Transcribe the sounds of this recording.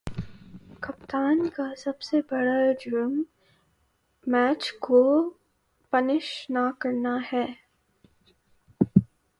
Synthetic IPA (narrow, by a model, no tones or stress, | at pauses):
kɐpt̪aːnkasɐbsebɐɽad͡ʒɾum | ɛːt͡ʃko | pɐnɪʃnakɐɾnaɦɛː